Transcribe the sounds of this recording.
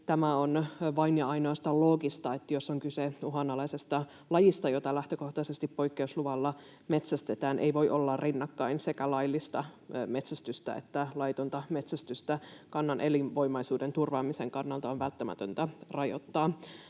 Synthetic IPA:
t̪æmæonʋɑinjɑɑinoɑst̪ɑlo̞ːɡist̪ɑet̪ːjosːoŋkyseuɦɑnɑlɑisest̪ɑ | lɑjist̪ɑjot̪ɑlæht̪øko̞ht̪ɑsest̪ippo̞jkːeusluʋɑlːɑ | me̞t̪sæst̪et̪æːnʔḛiʋo̞jʔolːɑrrinːɑkːɑinsekælɑilːˑist̪ɑme̞t̪sæst̪yst̪æ̰ḛt̪ːælɑjt̪unt̪ɑmet̪sæst̪yst̪ækɑnːɑnʔelinʋo̞jmɑjsuːdent̪urʋɑːmiseŋkɑnːɑlt̪ɑonʋælt̪ːæmæ̰t̪ø̰nt̪ærɑjo̰t̪ːɑː

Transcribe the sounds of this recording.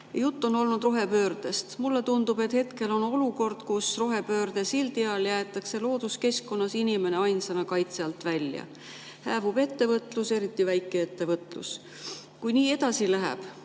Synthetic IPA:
jjut̪ːo̞no̞lnud̪roɦe̞pø̞ːɾd̪e̞st̪mulːe̞t̪und̪̥ube̞t̪he̞t̪ke̞lo̞no̞luko̞rd̪̥kusroɦe̞pø̞ːɾd̪esild̪iɑljæːt̪ːˑɑkse̞lo̞ːd̪̥uske̞skːo̞nːɑsinʲime̞ne̞ɑjnsenɑkɑjt̪seɑlt̪ˑvælʲjɑ̰ | hæːvub̥e̞t̪ːe̞vɤt̪ːˑluse̞ɾit̪ːˑivæjkːˑe̞et̪ːe̞vɤt̪ˑlṵs | kujniːe̞d̪̥ɑsilæɦæ̰b̥

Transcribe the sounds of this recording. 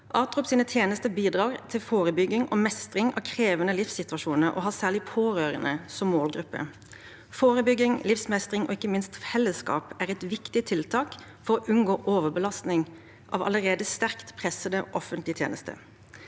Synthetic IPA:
ʔɑːʁt̪ʁʊpsiːnət̪ʰjeːnəst̪əbiːd̪ʁɑːʁt̪ʰɪlfoːʁəbʏɡːɪŋʔɔmɛst̪ʁɪŋɑ̰kʰɾeːʋənəlɪfsɪt̪ʉɑʃuːnəɾʔɔ̰ɦɑːsæːʁlɪpʰoːʁøːʁənəsɔmːoːlɡɾʉpːə̰ | foːʁəbʏɡɪŋlɪfsmɛst̪ʁɪŋʔɔ̰ɪkːəmɪnst̪fɛlːəskɑ̰ːpæʁɛt̪ʋɪkt̪ɪt̪ʰɪlt̪ʰɑːk | fɔʁoʔʉnɡoːʔoːʋəbəlɑst̪nɪŋ | ʔɑ̰ʋɑ̰ləʁeːd̪əst̪æʁkt̪pʰʁɛsəd̪əʔɔfənt̪lɪt̪jḛːnəst̪ə̰

